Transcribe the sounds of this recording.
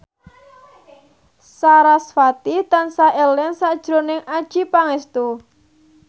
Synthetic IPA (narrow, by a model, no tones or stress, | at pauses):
saɾasfat̪it̪ansaʔɛlɛnsaʔd̥ʒ̥ɾonɪŋad̥ʒ̥ipaŋest̪u